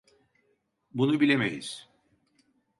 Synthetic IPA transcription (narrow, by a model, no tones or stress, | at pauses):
bunubilʲemḛjḭz̥